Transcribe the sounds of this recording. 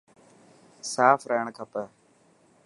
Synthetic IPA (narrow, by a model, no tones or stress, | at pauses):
saːfɾeːɳkʰəpə